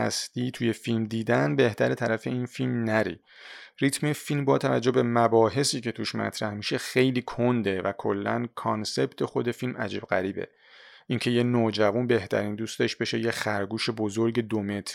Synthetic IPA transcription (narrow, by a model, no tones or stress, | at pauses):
æ̰st̪iːt̪ʰuje̞filmd̪iːd̪ænbe̞ht̪ʰæɾet̪ʰæɾæfe̞iːnfilmnæɾḭː | rit̪ʰmefilmbɒːt̪ʰævæ̰d͡ʒːo̞bbe̞mæbɒːɦe̞siːcʰe̞t̪ʰuʃmæ̰t̪ʰɾæhmiʃe̞xejliːkʰond̪e̞vækʰo̞lːæ̰nkʰɒnse̞bt̪ʰexo̞d̪e̞filmʔæ̰d͡ʒiːb̥ɣæ̰ɾiːbḛ | ʔiŋcʰe̞je̞noːd͡ʒævunbe̞ht̪ʰæ̰ɾiːnd̪uːst̪e̞ʃb̥e̞ʃe̞jexæɾɡuːʃe̞bozoɾɟe̞d̪ome̞t̪ʰɾ